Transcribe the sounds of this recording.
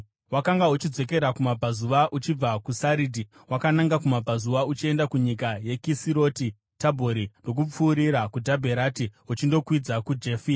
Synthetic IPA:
wakaŋɡaut͡ʃid͡zwe̞ke̞ɾakumabʱazuʋaʔut͡ʃib͡vakusaɾidʱi | wakanaŋɡakumab͡vʱazuʋaut͡ʃie̞ndakuɲikaje̞kisiɾo̞ːti | tabʱoɾindo̞k̬up͡fuːɾiɾakudʱabʱeɾatiut͡ʃindo̞kwid͡zakud͡ʒefiː

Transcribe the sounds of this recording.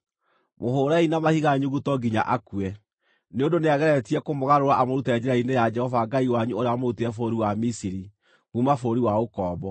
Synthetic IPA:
mohoːɾainamahiɣaɲuɣutɔɡiɲa̰ʔakuɛ | neondoneaɣɛɾɛtiɛkomoɣaɾoɾaʔamoɾutɛɛd͡ʒeɾainejad͡ʒɛhɔvaɡaiwaɲuoɾeamoɾuteɛfoɾiwamisiɾi | ɣumafoɾiwaokɔːbɔ

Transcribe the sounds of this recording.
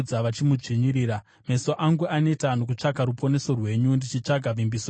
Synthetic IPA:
d͡zaʋat͡ʃimud͡ʐiɲiɾiːɾa | me̞so̞ʔaŋɡuʔane̞tanok̬ut͡ʂaɡʱaɾupo̞ne̞so̞rwe̞ɲundit͡ʃit͡ʂaɡʱaʋimbiso

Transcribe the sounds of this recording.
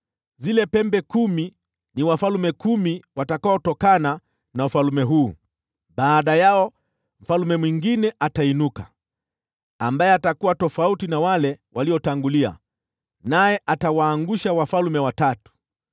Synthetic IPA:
zilɛpɛmbɛkumi | niwafalumɛkumiwatakaɔtɔkana | naufalumɛɦuː | ɓaːɗajaɔ | m̩falumɛmwiŋɡinɛʔatainuka | ambajɛatakuwatɔfautinawalɛwaliɔtaŋɡulia̰ | najɛʔatawaːŋɡuʃawafalumɛwatatu̥

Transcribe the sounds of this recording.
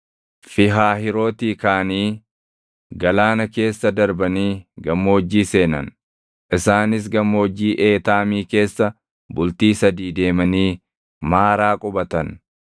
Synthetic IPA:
fɪɦaːɦɪɾo̞ːt̪iːkaːniː | ɡɐlaːnɐke̞ːsːɐd̪ɐɾbɐniːɡɐmːoːd͡ʒːiːse̞ːnɐ̰n | ʔɪsaːnɪs̬ɡɐmːoɔd͡ʒːiːʔeːt̪aːmiːke̞ːsːɐ | bʊlt̪iːsɐd̪iːd̪e̞ːmɐniː | maːɾaːkʼʊbɐt̪ɐn

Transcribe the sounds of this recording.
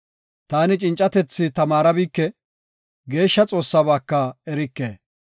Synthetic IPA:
t̪aːnɪt͡ʃʼɪnt͡ʃʼːɐt̪ɛt͡sːɪt̪ɐmaːɾɐbiːkːɛ | ɡe̞ːʃːɐt͡sʼo̞ːsːɐbaːkːɐɛɾɪkːḛː

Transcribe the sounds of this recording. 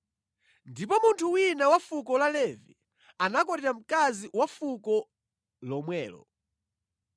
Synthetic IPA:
ndipɔmuntʰuwinawafukɔlalɛvi | anakɔɾɛɾam̩kaziwafukɔ | lɔmwɛːlɔ̰

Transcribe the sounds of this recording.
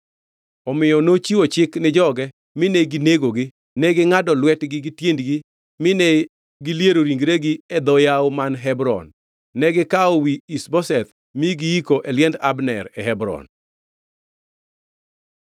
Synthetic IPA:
ɔmɪjɔnot͡ʃiwot͡ʃɪknɪd͡ʒɔɡɛ | mɪnɛɡɪneɡoɡɪ | nɛɡɪŋadɔlwɛtɡɪɡɪtjendɡɪ | mɪnɛ | ɡɪljeɾoɾiŋɡɾeɡɪɛd̪ɔjaomanɦɛbɾɔ̰nː | ɛɡɪkaowiisbɔsɛt̪ | miɡɪikoʔɛljɛndabnɛ̰ɾɛɦɛbɾɔ̰n

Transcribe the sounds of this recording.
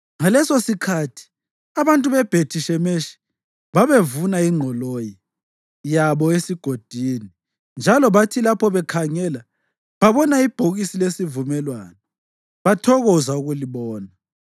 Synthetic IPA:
ŋalɛsosikʰatʰi̥ | aβantʼuβɛb̥ʱetʰiʃɛmeʃi̥ | βaβevunaiŋ͡ǃʱɔloji | jaβɔesiɡ̥ʱod̥ʱini | nd͡ʒʱalɔβatʰilapʰɔβɛkʰaŋɛla | βaβɔnaib̥ʱoɣisilesivumɛlwaːnɔ | βatʰɔɣɔzauɣuliβɔːna

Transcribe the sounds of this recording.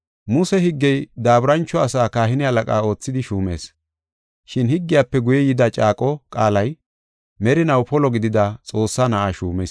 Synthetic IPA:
mʊsɛhɪɡːɛjd̪aːbɪɾɐnt͡ʃːɔɐsaːkaːhɪnɪhɐlɐkʼaːo̞ːt͡sːɪd̪ɪʃuːmḛːs | ʃɪnhɪɡːɪjaːpːɛɡʊjɛjɪd̪ɐt͡ʃʼaːkʼɔkʼaːlɐj | mɛɾɪnɐwpɔlɔɡɪd̪ɪd̪ɐt͡sʼo̞ːsːaːnɐʔaʃuːmɛ̰s

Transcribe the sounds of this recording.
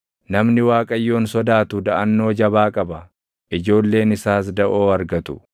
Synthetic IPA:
nɐmnɪwaːkʼɐjːo̞ːnsɔd̪aːt̪ʊd̪ɐʔɐnːo̞ːd͡ʒɐbaːkʼɐbɐ | ʔɪd͡ʒo̞ːlːe̞ːnɪsaːs̬d̪ɐʔo̞ːɐɾɡɐt̪ʊ̰

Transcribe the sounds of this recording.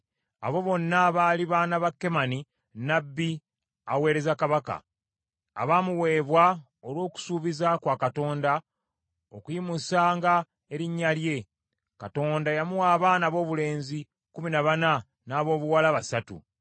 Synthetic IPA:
a̰βo̞βo̞nːaβaːliβaːnaβakːe̞mani | nabːi | awe̞ːɾe̞zakaβaka̰ː | βamuwe̞ːβwa | olwo̞ːku̥suːβizakwakato̞ːnda | okujimusaːŋɡa | e̞ɾiɲːalje̞ | kato̞ːndajamuwaːβaːnaβo̞ːβule̞ːnzi | kuminaβana | naːβo̞ːβuwalaβasatṵ

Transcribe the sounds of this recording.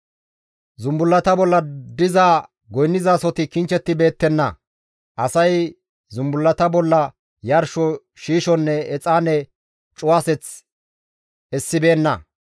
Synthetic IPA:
zʊmbʊlːɐt̪ɐbɔlːɐd̪ɪzaː | ɡɔjnːɪzaːsɔt̪ɪkɪnt͡ʃːɛt̪ːɪbe̞ːt̪ːɛnːɐ | ʔɐsɐj | zʊmbʊlːɐt̪ɐbɔlːɐ | jɐɾʃɔ | ʃiːʃɔnːɛɛt͡sʼaːnɛ | t͡ʃʼʊwasɛt͡s | ɛsːɪbe̞ːnːɐ

